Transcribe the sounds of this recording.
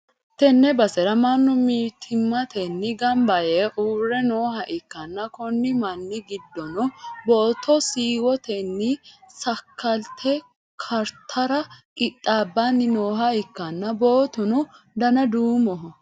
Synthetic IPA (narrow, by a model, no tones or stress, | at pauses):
t̪ɛnːɛbɐsɛɾɐmɐnːʊmiːt̪ʰɪmːɐt̪ʰɛnːɪɡɐmbɐjɛʔuːɾːɛnoːɦɐʔɪkːɐnːɐkɔnːɪmɐnːɪɡɪd̪ːɔnɔboːt̪ʰːɔsiːwɔt̪ɛnːɪsɐkʰːɐlt̪ʰːɛ | kʰɐɾt̪ʰɐɾɐkɪt̪ʼːaːbːanːɪnoːɦɐɪkːɐnːɐbo̞ːt̪ʊnɔ | d̪ɐnɐd̪uːmɔɦɔ